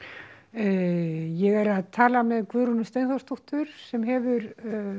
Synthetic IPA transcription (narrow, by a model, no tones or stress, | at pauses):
jɛɣɛɾaðt̪ʰaːlamɛðkvʏːɾunʏst̪ejnθɔwst̪ʰuht̪ʏɾ̥sɛmɦɛvʏɾ